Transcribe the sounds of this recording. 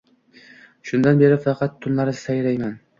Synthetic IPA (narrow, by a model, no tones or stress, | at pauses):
ʃʊnd̪anbe̞ɾɪfɑqʰɑt̪ʰːʊnlaɾɪsajɾajman